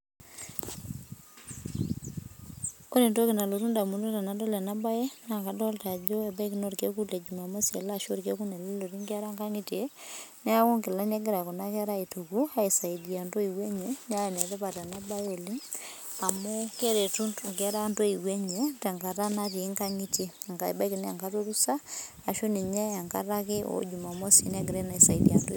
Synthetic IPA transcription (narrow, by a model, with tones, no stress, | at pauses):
ko˦ne˨ndo˦kɪ˨na˨lo˨ɾu˦nda˨mu˨ndo˦ta˨na˨do˦le˨na˦ba˦je˦na˨ka˦dɔ˦lta˨d͡ʒo˦e˨ba˦ki˨no˦ɾke˦ku˦le˨d͡ʒuma˨mo˦se˨la˦ʃo˦ɾke˦ku˦ne˨llo˨ɾi˦ŋɡɛ˦ɾa˦ŋɡa˦ŋi˦te˦nɛ˦a˦ko˦ŋkɪ˨la˦ne˦ɡɪ˦ɾa˨ku˨na˦kɛ˦ɾa˦i˨tu˨ku˦a˦i˨sa˨idi˨a˨ndo˦i˨wɛ˦ɲe˨n˦a˦wɛ˨nɛ˨tɛ˦pa˨ta˨na˦ba˦jo˨li˦ŋ | a˨mo˦ke˦ɾe˨tu˦ntŋɡɛ˦ɾa˦ndo˦i˨wɛ˦ɲe˨tɛ˨ŋɡa˨ɾa˦na˦ti˨˦ŋka˦ŋi˦te˦˨ŋɡa˨i˨ba˦ikɪ˨n˦a˨ŋka˦to˦ɾu˦saː˦˨ | ʃo˦ni˨ɲe˦a˨ŋka̰˦ɾa˦kɪ˦o̰˨d͡ʒu˨ma˨mo˦si˦nɛ˦ɡɪ˨ɾɛ˦na˨i˨sa˨idḭa̰˨ndo˦